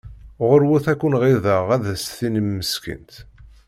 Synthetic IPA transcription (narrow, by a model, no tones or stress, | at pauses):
ʁəɾwuθækʷːʊnʁiðəʁæðæsθinəmːəskə̰nt̪